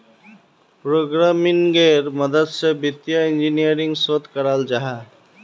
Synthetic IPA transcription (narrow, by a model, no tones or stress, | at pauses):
pɾoɡɾamɪŋɡeɾməd̪əd̪sebit̪jaĩnd͡ʒinijəɾɪŋɡsot̪kəɾald͡ʒaɦa